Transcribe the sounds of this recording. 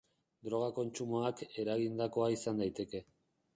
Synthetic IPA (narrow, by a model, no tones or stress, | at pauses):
d̪ɾo̞ɣ̞ako̞nt͡ʃumoake̞ɾaɣind̪ako̞aisand̪ajt̪e̞ke̞